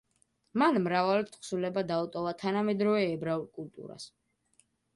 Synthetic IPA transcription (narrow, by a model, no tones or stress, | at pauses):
manmɾavalt̪ʰχsulɛbad̪aut̪ʼɔvat̪ʰanamɛd̪ɾɔvɛːbɾaulˠkʼult̪ʼṵɾa̰s